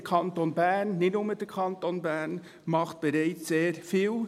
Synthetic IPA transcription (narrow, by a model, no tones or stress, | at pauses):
kʰɑntonbæːɾnːɪtnʊməd̥əɾkʰɑntonbæːɾn | mɑχt̚b̥ɛɾɛɪt͡sseːɾfiːl